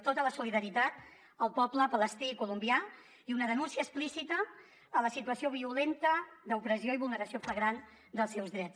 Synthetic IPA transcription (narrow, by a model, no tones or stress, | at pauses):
t̪ot̪ələsuliðəɾit̪at̪̚ | əlˠpɔpləpələst̪ikulumbia | iunəðənunsiəːsplisit̪əː | ləsit̪uəsioβ̞iulent̪əðəupɾəzioiβulˠnəɾəsiofləɣɾan | d̪əlˠsɛwzðɾɛt͡s